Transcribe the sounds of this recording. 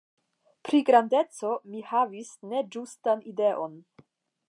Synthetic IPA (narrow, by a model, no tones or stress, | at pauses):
pɾiɡɾande̞t͡so̞mihavisne̞d͡ʒustanide̞ʔo̞n